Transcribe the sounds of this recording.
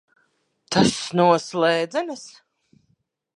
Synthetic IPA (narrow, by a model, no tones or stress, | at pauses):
t̪ʰasnuɔslˠɛːd̪zɛnas